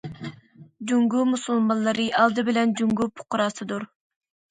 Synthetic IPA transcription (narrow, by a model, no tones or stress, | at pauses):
d͡ʒuŋɡumusulˠmɑnlːˠɨɾɨʔɑlˠd̪ɨbɪlɛnd͡ʒuŋɡupʰʊ̥qʊɾɑːsɨd̪uɾ